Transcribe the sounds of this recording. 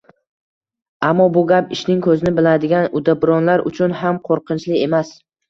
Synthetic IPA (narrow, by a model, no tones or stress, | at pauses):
amːɒbʊɡʲapɪʃnɪŋkʰɵzɪnɪbɪlad̪ɪɡʲanʊd̪abɾɒnlaɾʔʊ̰t͡ʃʰʊnɦamqʰoɾqʰɨnt͡ʃlɪe̞mas